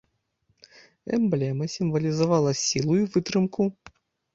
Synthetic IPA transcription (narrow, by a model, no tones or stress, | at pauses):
ɛ̰mblʲɛmɐsʲimvɐlʲizɐvaɑlˠɐsʲilˠujuvɨt̪ɾɨmku